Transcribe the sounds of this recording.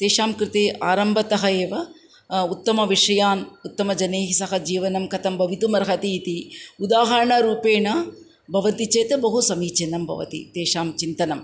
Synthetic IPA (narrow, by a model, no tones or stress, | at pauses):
t̪eːʂaːmkɾɪt̪eːʔaːɾɐmbʱɐt̪ɐɦɐeːʋɐ | ut̪ːɐmɐʋiʂɐjaːnut̪ːɐmɐd͡ʒɐneːɦisɐɦɐd͡ʒiːʋɐnɐmkɐt̪ɐmbʱɐʋit̪umɐɾɐɦɐt̪iːt̪iud̪aːɦɐɾɐɳɐɾuːpeːɳɐ | bʱɐʋɐnt̪it͡ʃeːt̪ebɐɦusɐmiːt͡ʃenːɐmbʱɐ̰ʋɐ̰t̪ḭt̪eːʂaːmt͡ʃint̪ɐnɐm